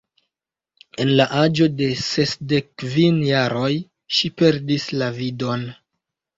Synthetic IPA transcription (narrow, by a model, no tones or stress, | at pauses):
e̞nlaʔad͡ʒo̞de̞se̞sdekːvinjaɾo̞j | ʃipe̞ɾdislavido̞n